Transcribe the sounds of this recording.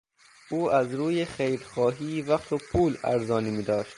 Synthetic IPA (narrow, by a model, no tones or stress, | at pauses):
ʔuːʔæzɾuːjexejɾxɒːɦiːvæqt̪ʰopʰuːlæ̰ɾzɒːniːmiːd̪ɒːʃt̪